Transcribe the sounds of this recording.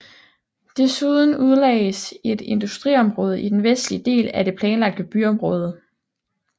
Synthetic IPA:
d̥e̝suð̞ˠn̩uð̞ˠlɛːɪəse̝d̥e̝nd̥usd̥ʁḭɒ̽mʁɔ̽ːð̞ˠəʔid̥enʋesd̥lid̥e̝̰ːlæd̥e̝pʰlɛːnlɑ̈ɡ̥̚d̥əb̥yɒ̽mʁɔ̽ːð̞ˠə

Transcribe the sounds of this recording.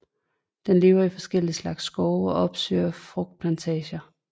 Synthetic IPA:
d̥enle̝ːʊɐifɒ̽sɡ̥el̰islɑ̈ɡ̥sːɡ̥ɒʊɒ̽ʔɒ̽b̥sø̰ːɐfʁɔɡ̥̚d̥̚pʰlænt͡sʰɛːɕɐ

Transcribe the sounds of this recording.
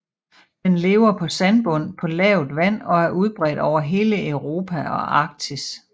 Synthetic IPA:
d̥enle̝ːʊɐpʰɒ̽sænb̥ɔ̽n̰pʰɒ̽lɛʊð̩ˠʋæn̰ɒ̽æɐʔuð̞ˠb̥ʁɛ̰ːd̥ɒʊɐɦe̝ːləʔeʊʁo̝ːpʰæɒ̽ʔɑ̈ːɡ̥̚t͡sʰis

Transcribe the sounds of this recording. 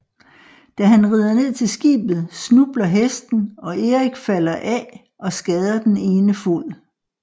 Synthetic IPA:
d̥æɦænʁið̞ˠɐne̝ð̞̰ˠt͡sʰe̝lsɡ̥ḭːb̥ð̞̩ˠsnub̥lɐɦesd̥n̩ɒ̽ʔe̝ʁiɡ̥fælɐʔɛ | ʔɒ̽sɡ̥ɛːð̞ˠɐd̥ene̝ːnəful̰

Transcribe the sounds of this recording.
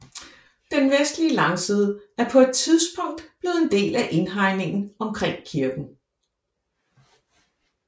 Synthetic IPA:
d̥enʋesd̥liəlɑ̈ŋsið̞ˠæɐpʰɒ̽e̝d̥̚t͡sʰið̞ˠsb̥ɔ̽ŋ̰d̥b̥le̝ːð̞̩ˠend̥e̝̰ːlæʔe̝nɦɑ̈ɪ̰ne̝ŋn̩ɒ̽mkʰʁɛŋ̰kʰiɐɡ̥n̩

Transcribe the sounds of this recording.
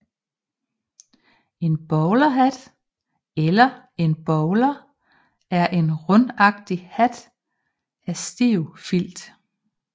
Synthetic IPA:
e̝nb̥ɒʊlɐɦæd̥ | elɐ | e̝nb̥ɒʊlɐ | æɐʔe̝nʁɔ̽nɑ̈ɡ̥d̥ihæd̥ | æsd̥iʊfil̰d̥

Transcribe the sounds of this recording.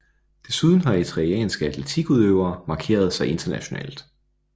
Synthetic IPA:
d̥e̝suð̞ˠn̩ɦɑ̈et͡sʰʁɛɛ̰ːnsɡ̥əæt͡sʰlet͡sʰiɡ̥uðˠøʊ̰ɐːmɑ̈kʰe̝̰ːɐð̞̩ˠsɑ̈ɪe̝nd̥ɐnæɕo̝nɛ̰ːld̥

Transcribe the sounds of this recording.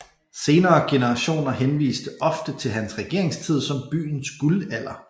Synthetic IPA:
se̝ːnɐːɡ̥e̝nəʁɑɕo̝̰ːnɐɦenʋḭːsd̥əʔɒ̽fd̥ət͡sʰe̝lɦænsʁɛɡ̥e̝̰ɐ̰e̝ŋst͡sʰið̞̰ˠsɒ̽mb̥y̰ːn̩sɡ̥ulæl̰ɐ

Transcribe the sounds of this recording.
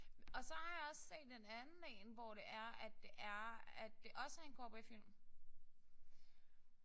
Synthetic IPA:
ɒ̽sɒ̽hɑ̈jɑ̈ɒ̽sse̝̰ːd̥enænn̩lḛːnʋɒɾ̥e̝ʔæɐæd̥ːe̝ʔæɐæd̥ːe̝ʔɒ̽səhænɡ̥ɒ̰ːb̥efil̰m

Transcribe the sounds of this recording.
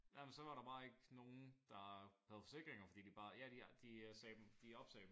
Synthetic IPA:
jæmənsɒ̽ʋɑ̈ɾɑ̈b̥ɑ̈ːe̝ɡ̥no̝ːn̩d̥ɑ̈hæðˠfɒ̽se̝ɡ̥ʁeŋɐfɒ̽d̥ḭːd̥ib̥ɑ̈ːjæd̥id̥isɛːd̥md̥iɒ̽b̥sɛ̰̥ːm

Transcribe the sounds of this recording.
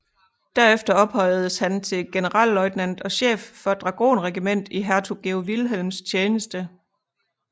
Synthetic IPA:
d̥æɐefd̥ɐɒ̽b̥hɒ̽ɪ̰ð̩ˠəshænt͡sʰe̝lɡ̥e̝nəʁɑ̰̈ːllɒ̽ɪd̥næn̰d̥ɒ̽ɕḛːfːɒ̽d̥ʁɑ̈ɡ̥o̝̰ːnʁɛɡ̥imen̰d̥iɦæɐt͡sʰuɡ̥eʊʋilɦelmst͡ɕʰeːnəsd̥ə

